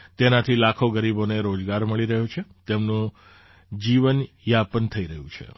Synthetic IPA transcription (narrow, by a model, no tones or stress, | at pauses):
t̪enat̪ʰilakʰoɡəɾiboneɾod͡ʒɡaɾməɭiɾəɦot͡ʃʰet̪emnũ | d͡ʒiʋən | japənt̪ʰəiɾəɦũt͡ʃʰḛ